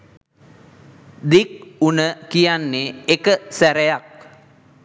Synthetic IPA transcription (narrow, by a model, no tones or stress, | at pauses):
d̪ik̚unəkijanːeekəsæɾejak̚